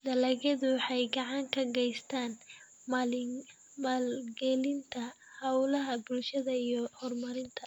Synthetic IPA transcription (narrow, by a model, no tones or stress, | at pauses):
d̪ɐlɐɣɐðʊwɑħɑjɡɑʕɑŋkʰɐɡɛjst̪ʰaːn | m | mɐlɡɛlɪnt̪ʰɐ | hɐwlɐɦɐbʊlʃɐðɐijɔhɔrmɐɾɪnt̪ʰɐ